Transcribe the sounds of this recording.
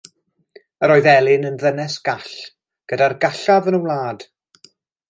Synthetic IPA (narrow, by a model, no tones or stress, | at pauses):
əɾɔɨðɛlˠɪnənðənɛsɡ̥aɬ | ɡ̥ədarɡaɬavənəwlˠaːd̥